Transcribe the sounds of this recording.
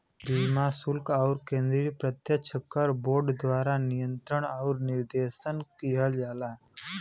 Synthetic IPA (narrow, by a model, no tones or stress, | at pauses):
biːmasʊlkɔʊɾkẽːnd̪ɾipɾət̪jət͡ʃʰəkːəɾboːɾɖd̪ʋaːɾanijə̃nt̪ɾəɽ̃ɔʊɾnɪɾd̪eːʃənkiɦəld͡ʒaːla